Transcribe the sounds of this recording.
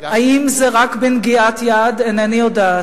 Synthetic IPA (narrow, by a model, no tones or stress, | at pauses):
aimzeʁakbenɡiat̪jad̪enanijod̪aː